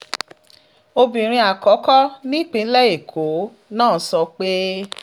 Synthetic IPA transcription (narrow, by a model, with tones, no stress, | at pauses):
o˧bĩ˨ɾ̃ĩ˧a˨kɔ˨˦kɔ˦nĩ˦˨k͡pĩ˧˦lɛ˦e˦˨kʰo˨˦ | nãː˦˨˦sɔ˧k͡pe˦